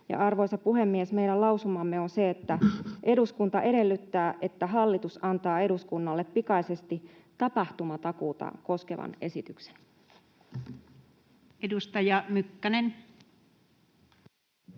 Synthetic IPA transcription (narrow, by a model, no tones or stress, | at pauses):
jɑ̰ʔɑrʋo̞jsɑpuɦe̞mːiesme̞jdælɑuwsumɑmːeonse̞et̪ːæʔe̞duskunt̪ɑʔe̞ɾe̞lːyt̪ːæːʔet̪ːæɦɑlːit̪usɑnt̪ɑːe̞ɾuskunːɑlːeppikɑise̞st̪it̪ɑpɑht̪umɑt̪ɑkuːt̪ɑ̰ko̞skeʋɑ̰ne̞sit̪ykse̥n | edust̪ɑjɑmykːænen